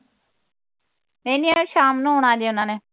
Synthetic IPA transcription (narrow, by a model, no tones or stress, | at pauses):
mẽːniʃaːmnũːɦoːɳ̃aːd͡ʒeːʊnãːneː